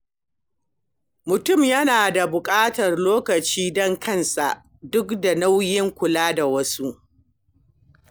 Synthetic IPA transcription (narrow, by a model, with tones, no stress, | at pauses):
mʊ˨tʊ˦˨mjɐ˦naː˨da˨bʊ˨kʼaː˦tɐ˨rloː˦kɐ˨t͡ʃiː˦dɔ˦ŋkɐ˦˨nsa̰˨ʔ | dʊ˦kda˨na˦wjɪ˦ŋkʷʊ˨laː˦da˨wɐ˦su˦ʔ